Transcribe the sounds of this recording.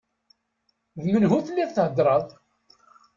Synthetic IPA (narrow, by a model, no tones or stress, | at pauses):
ðmənɦuθlːiθθʕəd̪ɾˤəðˤ